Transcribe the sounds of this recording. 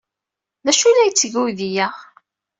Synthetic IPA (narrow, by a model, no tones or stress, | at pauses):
næʃulæjt͡sːəʝuðijæʁ